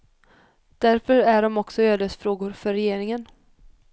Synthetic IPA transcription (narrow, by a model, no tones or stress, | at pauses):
d̪̥æɾfœɾæɖɔmɔksɔøːd̪əsfɾoːɡʊɾfœɾɛjeːɾɪŋən